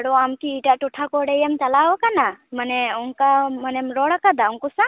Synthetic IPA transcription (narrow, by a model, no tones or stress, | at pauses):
ɽɔamkiːʈaʔʈɔʈʰakɔɽɛjamt͡ʃalawɔkanamanɛɔŋkamanɛmɾɔɽakad̪auŋkusa